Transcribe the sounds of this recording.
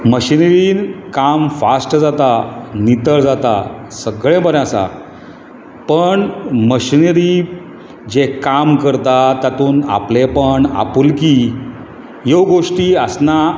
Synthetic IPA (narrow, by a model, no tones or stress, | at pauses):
məɕinəɾiːnkamfasʈd͡zat̪anit̪əɭd͡zat̪a̰səɡɭẽbəɾjãsa̰ | pəɳməɕinɾiː | d͡ʑekamkəɾt̪at̪jat̪uːna̰plepəɳa̰pulki | jowɡoʂʈiːəsna